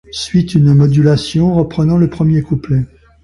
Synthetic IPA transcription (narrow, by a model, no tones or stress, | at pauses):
sɥit̪ynmɔd̪ylasjɔ̃ʁəpχənɑ̃ləpχəmjekuplɛ